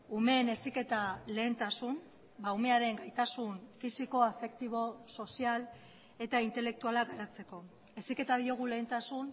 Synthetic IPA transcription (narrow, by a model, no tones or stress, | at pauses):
ume̞ːne̞sike̞t̪ale̞ːnt̪asun | bawme̞aɾe̞ŋɡajt̪asunfisiko̞afe̞k̚t̪iβ̞o̞so̞sial | e̞t̪aint̪e̞le̞k̚t̪ualaɡaɾat͡se̞ko̞ | e̞sike̞t̪aðio̞ɣ̞ule̞ːnt̪asun